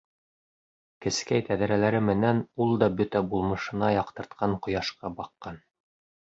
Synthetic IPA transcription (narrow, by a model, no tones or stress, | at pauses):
kɘ̆skæjt̪æðæɾælæɾɘmɘ̆nænulˠd̪ɑbɵt̪æbulˠmɤ̆ʃɤ̆nɑjɑqt̪ɤ̆ɾt̪qʰɑɴqŏjɑʃqɑbɑqːɑn